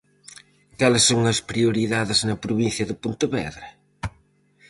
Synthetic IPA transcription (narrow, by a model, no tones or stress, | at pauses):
kalɪsːoŋɐspɾiuɾiðaðɪznɐpɾuβĩnθjɐðɪpont̪ɐβɛ̰ðɾɐ